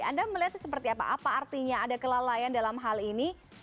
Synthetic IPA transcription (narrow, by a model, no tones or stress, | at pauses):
a̰ndaməliɦat̪səpərt̪iapa̰ʔapaːrt̪iɲaːdakəlalajandalamɦalini